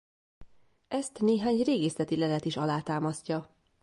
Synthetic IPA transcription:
ɛst̪neːɦaːɲreːɡeːsɛt̪ilɛlɛt̪iʃɒlaːt̪aːmɒscɒ

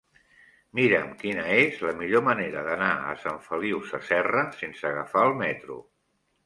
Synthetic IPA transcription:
miɾəmkinəezləmiʎoməneɾəðənaə̰saɱfəliwsəsɛrəsensəːɣəfaəlˠmɛt̪ɾṵ

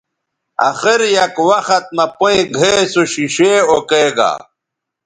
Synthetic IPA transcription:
ɐ̰xiɾjɐkwɐxɐt̪̚mɐpoĩɡʱesoɕiɕeːokeːɡa̰

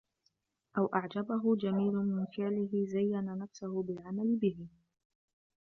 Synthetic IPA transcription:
ʔawʔaʕd͡ʒabaɦʊd͡ʒamiːlʊmɪnfɪʕlɪɦɪzajːananafsʊhʊbɪlʕamalɪbɪhɪ

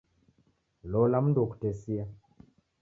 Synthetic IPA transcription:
lɔlam̩nduɔku̥tɛsia

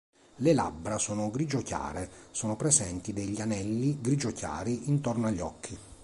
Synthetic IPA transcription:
lela̰bɾasoːnoɡɾid͡ʒokja̰ːɾesoːnopɾezɛnt̪id̪eʎːianɛlːiɡɾid͡ʒokja̰ːɾiint̪ɔrnoaʎːɔ̰kʰːi

